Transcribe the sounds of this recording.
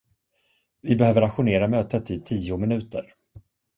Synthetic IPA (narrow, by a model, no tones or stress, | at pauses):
vɪbɛhøːvəɾaɧʊneːɾamøːt̪ət̪ɪt̪ʰiːʊmɪnʉ̟ːt̪ə̰ɾ